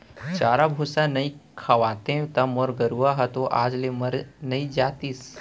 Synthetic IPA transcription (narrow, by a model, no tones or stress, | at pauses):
t͡ʃaːɾabʱuːsanɐĩkʰɐʋaːt̪ẽt̪ɐmɔːɾɡɐɾuaɦɐt̪oʔa̰ːd͡ʒlemɐɾnɐĩd͡ʒaːt̪iːs